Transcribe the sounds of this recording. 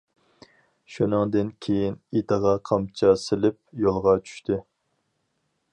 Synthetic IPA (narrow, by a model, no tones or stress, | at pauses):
ʃunɨŋd̪ɪnkʲʰejinit̪əʁɑqʰɑmt͡ʃʰɑsɪlɪp̚jolˠʁɑt͡ʃʰy̥ʃt̪ʰɪ